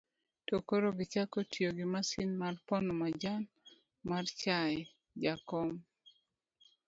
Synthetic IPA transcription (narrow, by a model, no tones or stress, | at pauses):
tokoɾoɡɪt͡ʃakotjoɡɪmasinmarpɔnɔmad͡ʒan | mart͡ʃaj | d͡ʒakɔm